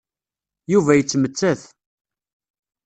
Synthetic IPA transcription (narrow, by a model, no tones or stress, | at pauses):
juvæjət͡sːmət͡sːæθ